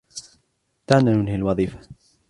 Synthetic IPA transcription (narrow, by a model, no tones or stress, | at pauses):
t̪aʕnanʊnhilwɑðˤiːfḁ